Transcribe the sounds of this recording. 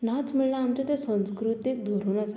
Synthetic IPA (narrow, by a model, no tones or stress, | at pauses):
nat͡smiɭlaːmt͡ɕat̪ɛsə̃w̃skɾut̪jek̚d̪ʱoɾunas